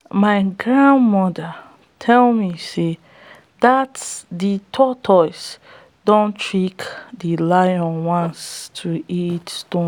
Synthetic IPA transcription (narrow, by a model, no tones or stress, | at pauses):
maɪɡɹãnmɔda | tʰɛlmise | datditʰɔtʰɔɪs | dõntʰɹikdilaɪjɔ̃nwãnstʰuitstõ